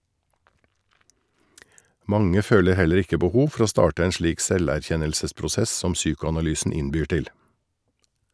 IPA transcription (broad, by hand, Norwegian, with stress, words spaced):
ˈmɑŋə ˈføːlə ˈhɛləɾ ˈɪkə bəˈhuːʋ ˈfɔɾ ˈoː ˈstɑːʈə ˈeːn ˈʃliːk ˈsɛlæˌçɛnəlsəspɾʊˌsɛs ˈsɔm ˈsyːkʊɑnɑˌlyːsn̩ ˈɪnbyːɾ ˈtɪl